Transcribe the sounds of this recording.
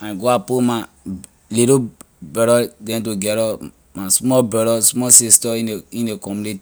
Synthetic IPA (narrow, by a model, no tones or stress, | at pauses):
ãnɡoapoma | liɾo | bɛɾɔdɛ̃nt̬oɡɛɾɔ | masmɔbɛɾɔsmɔsistɔiĩndekɔmuniti